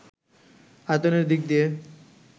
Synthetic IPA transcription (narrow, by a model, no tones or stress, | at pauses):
at̪oneɾd̪ik̚d̪ie